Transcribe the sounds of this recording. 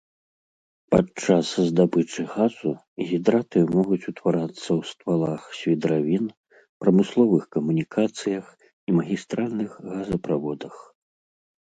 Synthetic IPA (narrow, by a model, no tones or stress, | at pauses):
pat͡ʂaszd̪abɨt͡ʂɨɣazu | ɣʲid̪ɾat̪ɨmɔɣut͡sʲut̪vaɾat̪sːɐwst̪valˠaxsʲvʲid̪ɾavʲin | pɾɐmɨslˠɔvɨxkɐmunʲikʰat̪sɨjɐx | imɐɣʲist̪ɾalʲnɨxɣazɐpɾavɔd̪ɐx